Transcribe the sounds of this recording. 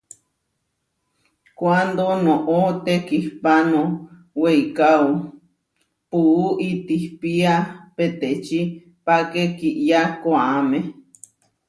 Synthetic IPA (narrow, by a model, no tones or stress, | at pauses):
kwand̪onõʔot̪ekihpanõ | weikao | puuʔit̪ihpiapet̪et͡ʃi | pakekiʔjakoaamẽ